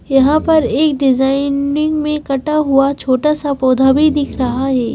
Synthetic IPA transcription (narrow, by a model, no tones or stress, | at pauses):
jɐɦãpɐɾeːkɖɪzaːɪnɪ̃ŋɡmẽkɐʈaɦuat͡ʃʰoːʈasapoːd̪ʱabʱid̪ɪkʰɾɐɦaɦɛː